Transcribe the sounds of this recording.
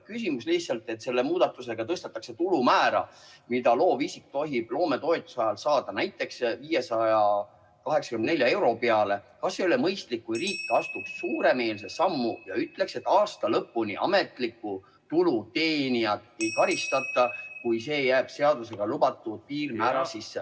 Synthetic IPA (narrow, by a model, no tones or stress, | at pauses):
kysimuslihsɑlt̪ˑe̞t̪se̞lːe̞muːd̪̥ɑt̪ːˑuse̞ɡ̥ɑt̪ɤst̪et̪ːˑɑkse̞t̪ulumæːɾɑ̰mid̪̥ɑloːvisik̚t̪o̞ɦib̥lo̞ːme̞t̪o̞et̪ːˑu̥sɑjɑlsɑːd̪̥ɑnæjt̪ːˑe̞ksviːje̞sɑjɑ | kɑɦe̞ksɑ̥kymnd̪ne̞lʲjɑe̞wɾo̞peɑle̞kɑsːeolemɤjst̪likːujriːkːˑɑst̪uksːuːɾe̞me̞ːlse̞sɑmːujɑyt̪ˑle̞kse̞t̪ːˑɑːst̪ɑlɤpːunḭʔɑ̰me̞t̪likːˑu | t̪ulut̪e̞ːnʲiɑt̪ːejkɑɾist̪ɑt̪ːˑɑkujse̞ːjæːb̥se̞ɑd̪̥us̬e̞ɡ̥ɑlubɑt̪ːˑut̪̚piːrmæːɾɑsisːe